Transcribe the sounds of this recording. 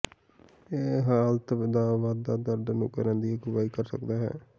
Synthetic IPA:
eːɦaːlt̪d̪aːʋaːd̪ad̪əɾd̪anʊkəɾɛ̃ːnd̪iːeɡʊʋaːiːkəɾsəkd̪aːɦɛ̰ː

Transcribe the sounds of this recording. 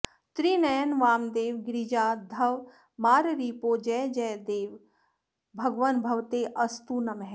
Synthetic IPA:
t̪ɾiːnɐjənʋaːmd̪eːʋɡɾid͡ʒaːd̪ʱɐʋ | maːɾɾiːpoːd͡ʒɛːd͡ʒɛjd̪eːʋ | bʱɐɡʋənbʱɐʋt̪eʔɐst̪unɐmɦɛː

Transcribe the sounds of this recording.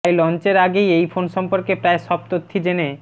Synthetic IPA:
jlɔnt͡ɕeɾaɡejejfonʃɔmpoɾkepɾaeʃɔb̚t̪ot̪ʰːid͡ʑene

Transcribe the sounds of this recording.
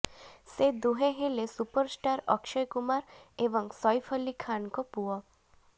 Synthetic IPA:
sed̪uɦẽɦelesupəɾsʈaɾɔ̰kʃɔjkumaɾebɔŋsɔjpʰɔlikʰːankɔpuɔ

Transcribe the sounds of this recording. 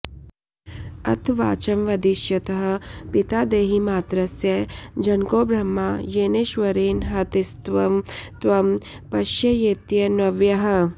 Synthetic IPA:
ɐ̰t̪ʰʋaːt͡ʃɐmʋɐd̪iʃjɐt̪ɐɦɐ̆pit̪aːd̪eːɦimaːt̪ɾɐsjɐd͡ʒɐnkoːbɾɐmːaːjeːneːʃʋɐɾeːnɦɐt̪ist̪ʋɐmt̪ʋɐm | pɐʃjɐjeːt̪jɐnɐʋjɐɦɐ̆

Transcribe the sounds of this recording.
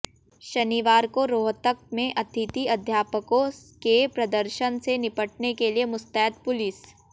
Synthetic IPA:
ʃɐniːʋaːɾkoɾoːɦt̪ək̚mẽʔɐt̪ʰɪt̪iɐd̪ʱjaːpəkõkepɾɐd̪əɾʃənsenɪpəʈ̚nekeliemʊst̪ɛːd̪pʊlis

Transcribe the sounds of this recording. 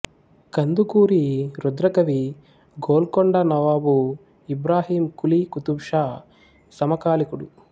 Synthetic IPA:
kɐnd̪ukuːɾiɾud̪ɾɐkɐʋi | ɡoːlkoɳɖɐnɐʋaːbu | ibɾaːɦiːmkulikut̪ubʂa | sɐmɐkaːlikuɽu

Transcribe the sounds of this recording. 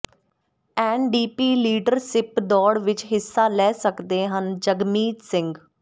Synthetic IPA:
ɛːnɖiːpiːliːɖəɾsɪpd̪ɔːɽʋɪt͡ʃɦɪsːaːlɛːsəkd̪eːɦənd͡ʒəɡmiːt̪sɪ̃ŋɡ

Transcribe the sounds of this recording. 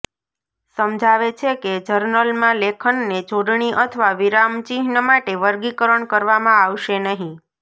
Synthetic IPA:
səmd͡ʒʱaʋet͡ʃʰeked͡ʒəɾnəlmãlekʰəɳːed͡ʒoɖɳiʔət̪ʰəʋaʋiɾamt͡ʃiɦnəmaʈeʋəɾɡikəɾəɳkəɾʋamãaʋʃenəɦĩ

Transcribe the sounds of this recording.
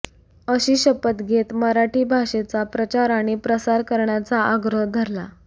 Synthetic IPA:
əɕiːɕəpət̪ɡʱet̪məɾaʈiːbʱaɕet͡sapɾət͡ɕaɾaɽ̃ipɾəsaɾkəɾɳjat͡saəɡɾəɦd̪ʱəɾla

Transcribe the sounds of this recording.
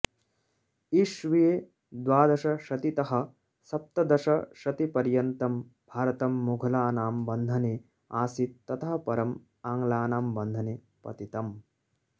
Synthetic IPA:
iʃʋijeː | d̪ʋaːd̪ɐʃɐʃɐt̪it̪ɐɦɐ̆ | sɐp̚t̪ɐd̪ɐʃɐʃɐt̪ipɐɾjɐnt̪ɐm | bʱaːɾɐt̪ɐmːuɡʱɐlaːnaːmbɐnd̪ʱɐne | aːsit̪ːɐt̪ʰɐɦɐpɐɾɐm | aːŋɡlaːnaːmbɐnd̪ʱɐneː | pɐ̰t̪it̪ɐm

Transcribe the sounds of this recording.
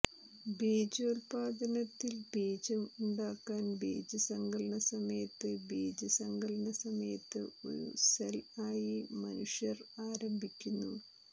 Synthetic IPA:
biːd͡ʑoːlpaːd̪ɐnɐt̪ːilbiːd͡ʑɐmuɳɖaːkːaːnbḛːd͡ʑɐsɐŋɡɐɭɐɳɐsɐmɐjɐt̪ːɨbeːd͡ʑɐsɐŋɡɐɭɐɳɐsɐmɐjɐt̪ːɨ̰o̞̰ɾṵselaːjimɐ̰nuʂjɐraːɾɐmbʱikʲːunːu

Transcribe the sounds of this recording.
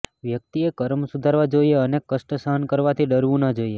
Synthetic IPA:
ʋjək̚t̪iekəɾmsud̪ʱaɾʋad͡ʒoieənekːəʃʈəsəɦənkəɾʋat̪ʰiɖəɾʋũnəd͡ʒoie

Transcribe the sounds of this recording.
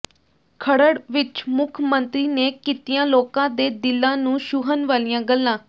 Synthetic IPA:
kʰəɽəɽʋɪt͡ʃmʊkʰmənt̪ɾiːneːkiːt̪ijãːloːkãːd̪eːd̪ɪlːãːnũːʃuːɦənʋaːlijãːɡəlːãː

